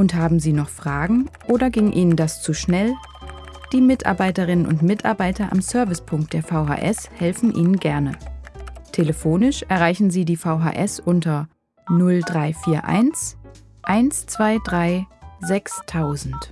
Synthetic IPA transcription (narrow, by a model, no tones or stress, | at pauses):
ʔʊnthaːbm̩ziːnɔχfʁ̥aːɡŋ̩ʔoːdɐɡɪŋʔiːnəndast͡suʃnɛl | d̥iːmɪtʔa̰ɐbaɪtəʁɪnənʊ̰ntmɪtʰa̰ɐbaɪtɐʔa̰msœɐvɪspʰʊŋkt̚d̥eːɐfaʊɦa̰ʔɛshɛlfn̩ʔiːnənɡɛɐnə | tʰeləfoːnɪʃʔɛɐʁ̞aɪçn̩ziːdiːfaʊɦa̰ːʔɛsʔʊntɐ | nʊldʁaɪfiːɐʔa̰ɪns | ʔaɪnst͡sv̥aɪdʁaɪzɛkstʰaʊzn̩t